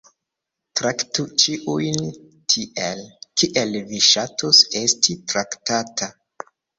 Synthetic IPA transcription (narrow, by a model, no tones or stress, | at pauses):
tɾaktut͡ʃiʔujn | tʰiʔelkiʔelviʃatose̞stʰitɾaktatʰa